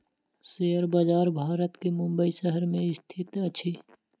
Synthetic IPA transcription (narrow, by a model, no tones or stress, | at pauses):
sejəɾbazaːɾbʱaːɾət̪kemʊ̃mbəisəɦəɾmẽɪst̪ʰɪt̪ət͡ʃʰi